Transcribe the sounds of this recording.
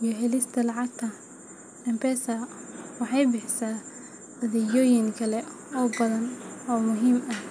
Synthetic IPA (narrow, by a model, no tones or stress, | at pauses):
jɔɦɛlɪst̪ʰɐlɑʕɑɡ̚t̪ʰɐ | nɛmpɛsɐwɑħɑjbɪħsaː | ɐðɛjɔːjɪŋkʰɐlɛ | ɔːbɐðɐnɔːmʊɦiːmɐh